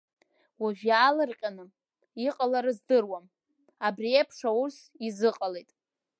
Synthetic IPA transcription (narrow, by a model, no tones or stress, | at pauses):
waʒᶣaːlɨrqʲʼanɨ | iqʼalaɾɨzdɨrwam | abriepʰʂaus | izɨqʼalejtʼ